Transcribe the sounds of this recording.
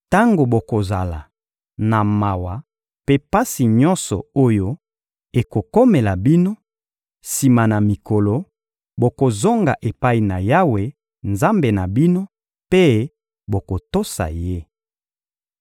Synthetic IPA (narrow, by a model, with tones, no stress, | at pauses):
ta˦ŋɡo˨bo˨ko˨za˨la̰˨ | na˨ma˨wa˨ | pe˦pa˦si˨ɲɔ˦nsɔ̰˨o˦jo˦ | e˨ko˨ko˦me˨la˨bi˦no˦ | si˨ma˨na˨mi˨ko˨lo˨ | bo˨ko˨zo˦ŋɡa˨ʔe˨pa˦i˨na˨ja˦we˨ | nza˦mbe˨na˨bi˦no˦ | pe˦ | bo˨ko˨to˦sa̰˨je˦